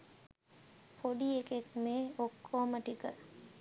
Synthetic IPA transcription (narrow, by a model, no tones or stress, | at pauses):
pʰoɖieket̪meokʰːoːməʈikə